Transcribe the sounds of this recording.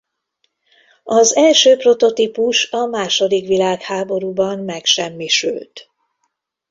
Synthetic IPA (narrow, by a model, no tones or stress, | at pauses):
ɒzɛlʃøːpro̞t̪o̞t̪ipuʃɒmaːʃo̞d̪ikʋilaːkhaːbo̞ɾuːbɒmːɛkʃɛmːiʃy̰lt̪